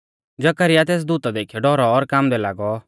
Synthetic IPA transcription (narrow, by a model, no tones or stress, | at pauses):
d͡ʒɐkəɾɪjat̪eːs̬d̪ut̪ad̪eːkʰjɔɖɔɾɔːɾkaːmd̪ɛlaːɡɔ